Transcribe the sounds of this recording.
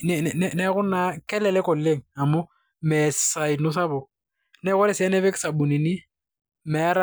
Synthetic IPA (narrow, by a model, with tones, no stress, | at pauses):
nɛnɛnɛ˨˦ɣʊ˦na˦kɛ˦lɛ˨lɛ˦kɔ˨lle˦ŋ̩a˨mʊ˦ | mɛ˨ssa˨ɪ˨nʊ˦sa˦bʊ˨ | nɛ˦ɣɔ˦lɛ˦sɪ˦ɛ˦nɛ˦bɛ˦kɪ̥˦sa˨bu˨ni˨ni˦ | mɛ˨˦ɾa